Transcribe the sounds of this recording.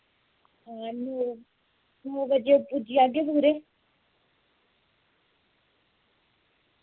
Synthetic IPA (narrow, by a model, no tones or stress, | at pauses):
ãːnoː | noːbəd͡ʒeːopʊd͡ʒiaːɡebuːɾeː